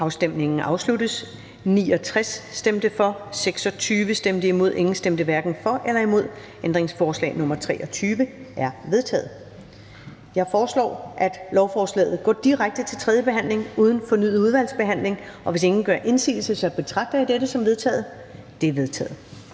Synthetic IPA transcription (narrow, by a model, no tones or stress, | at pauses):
ʔɑ̈ʊsd̥em̰ne̝ŋn̩ʔɑ̈ʊslud̥əs | nḭːɒ̽t͡sʰʁasːd̥emd̥əfɒ̽seɡ̥sɒ̽t͡sʰyːʋəsd̥emd̥əimo̝ð̞ˠʔe̝ŋn̩sd̥emd̥əʋæɐɡ̥n̩fɒ̽ʔelɐimo̝ð̞̰ˠ | ʔend̥ʁeŋsfɒːslɛ̰ɪnɔ̽mɐt͡sʰʁɛ̰ːʔɒ̽t͡sʰyːʋəʔæɐʋe̝ð̞ˠt͡sʰɛ̰ːð̩ˠ | jɑ̈ɪfɒːslɒ̰ːʔæd̥lɒʊfɒːslɛ̰ːð̩ˠɡ̥ɒ̰ːd̥iʁaɡ̥̚d̥ət͡sʰe̝lt͡sʰʁɛðˠjəb̥e̝ɦæn̰le̝ŋuːð̞ˠn̩fɒ̽nyð̩ˠuð̞ˠʋæl̰sb̥e̝ɦæn̰le̝ŋʔɒ̽ʋe̝se̝ŋn̩ɡ̥ɶɐʔe̝nsḭːl̩səsɒb̥e̝t͡sʰʁɑ̈ɡ̥̚d̥ɐjɑ̈deɾəsɒ̽mʋe̝ðˠt͡sʰɛ̰ːð̩ˠ | d̥e̝ɐʋe̝ðˠt͡sʰɛ̰ːð̩ˠ